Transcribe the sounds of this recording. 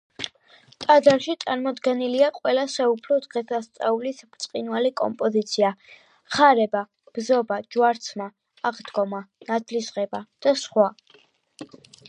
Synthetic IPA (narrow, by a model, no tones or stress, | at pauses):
t̪ʼad̪aɾʃit̪sʼaɾmɔd̪ɡɛniliaqʼwɛlasɛupʰlɔd̪ʁɛsast̪sʼaulisbt̪sʼqʼinwalikʼɔ̰mpʼɔzit̪sʰia | χaɾɛba | b̥zɔbad͡ʒwaɾt̪sʰmaː | ʁd̪ɡɔmanad̪lisʁɛbad̪̥asχwa